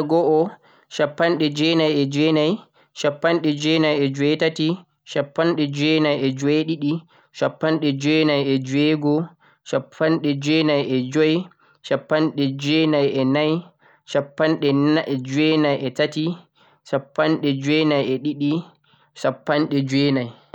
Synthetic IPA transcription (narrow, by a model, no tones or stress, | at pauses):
ɡɔʔɔ | ʃapːanɗɛd͡ʒɛnajɛd͡ʒwɛnaj | ʃapːanɗɛd͡ʒwɛnajɛd͡ʒwɛtati | ʃapːanɗɛd͡ʒwɛnajɛd͡ʒweɗiɗi | ʃapːanɗɛd͡ʒɛnajɛd͡ʒwɛɡɔ | ʃapʰːanɗɛd͡ʒɛnajɛd͡ʒɔj | ʃapːanɗɛd͡ʒɛnajɛnaj | ʃapːanɗɛʔɛd͡ʒwɛnajʔɛtati | ʃapːanɗɛd͡ʒwɛnajɛɗiɗi | ʃapːanɗɛd͡ʒwɛnaj